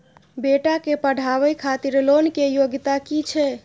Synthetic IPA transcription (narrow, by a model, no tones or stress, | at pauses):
beʈakepəɽʱaʋəjkʰat̪iɾlonkejoɡt̪akit͡ʃʰɛ